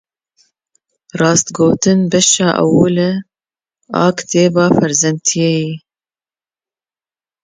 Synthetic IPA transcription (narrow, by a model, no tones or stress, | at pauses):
rɑːst̪ɡoːt̪ɨnbɛʃɑːʔɛ̰wulɨ | ɑ̰ːkt̪eːbɑːfɛɾzɛnt̪ʰijejiː